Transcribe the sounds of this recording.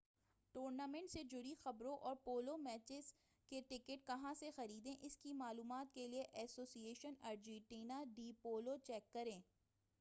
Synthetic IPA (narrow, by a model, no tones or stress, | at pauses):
ʈoːɾnaːmɛ̃ɳʈsed͡ʒʊɾixɐbɾõʔɔːɾpoːlomɛːt͡ʃɪz | keʈɪkɪʈkɐɦãsexɐɾiːd̪ẽʔɪskimaːluːmaːt̪̚kelieʔɛːsoːsieːʃənaːɾd͡ʒɛ̃ʈiːnaɖiːpoːlot͡ʃɛːkːɐɾẽː